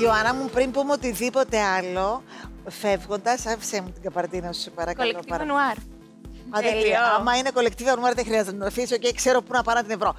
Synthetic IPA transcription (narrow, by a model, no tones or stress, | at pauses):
ioɐnɐmupɾimpumeot̪iðipo̞t̪e̞ɐlo̞fe̞vɣo̞nd̪ɐsɐfsemut̪iŋɡɐpɐɾt̪inɐsupɐɾɐkoloɐɾɐnɐɾ | ɐt̪eliɐmːɐine̞ko̞le̞kt̪ivɐnuɐɾðexɾiɐzennɐɐfisocekse̞ɾo̞punɐpɐɾnɐt̪ine̞vɾo̞